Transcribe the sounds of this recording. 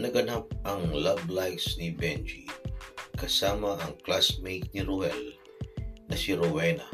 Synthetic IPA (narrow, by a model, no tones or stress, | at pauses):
nɐɡɐnap̚ɐŋlablajksnibɛnd͡ʒi | kɐsaːmaɐŋklasmejt̪̚niɾuhɛl | nɐsiɾowɛna̰